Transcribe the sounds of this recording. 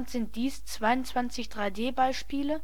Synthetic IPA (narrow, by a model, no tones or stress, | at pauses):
ntz̥ɪnt̚d̥iːst͡sv̥aɪʊntt͡sv̥ant͡sɪçd̥ʁaɪdeːbaɪʃpiːlə